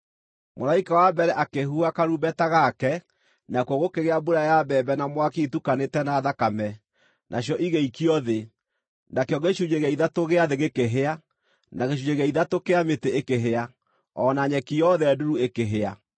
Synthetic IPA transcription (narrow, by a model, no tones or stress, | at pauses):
moɾaikawabɛɾɛʔakeɦuakaɾubɛtaɣakɛ | nakwɔɣokeɣeabuɾajabɛbɛnamwakeitukanetɛnaðakamɛ | nʔaɕjɔʔiɣeikiɔðe | nakeɔɣeʃuɲeɣaiðatoɣeaðeɣekeɦea | naɣeʃ̬uɲeɣeaiðatokeameteekeɦea | ɔnaɲɛkijɔðɛːduɾuekeɦea